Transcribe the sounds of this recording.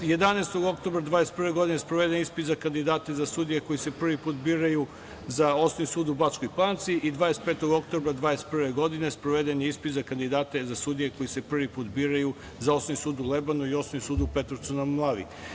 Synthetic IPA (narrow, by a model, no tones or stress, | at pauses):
je̞d̪anaest̪oɡo̞kt̪o̞bɾad̪ʋaːd̪ese̥t̪pr̩ʋeɡo̞d̪inespɾoʋe̞d̪enispit̪zakand̪id̪aːt̪e̞zasuːd̪ijeko̞jisepr̩ʋipuːt̪biːɾaju | zaosonisuːd̪ubat͡ʃkojpant̪siʔid̪ʋad̪eset̪pet̪oɡok̚t̪obɾad̪ʋaːd̪est̪pr̩ʋeɡo̞d̪inespɾoʋed̪enispit̪zakand̪id̪aːt̪ezasuːd̪ijeko̞jisepr̩ʋipuːt̪biːɾaju | zao̞sonisuːd̪ulebanuio̞snonisuːd̪upet̪ɾot̪sunamlˠaːʋḭ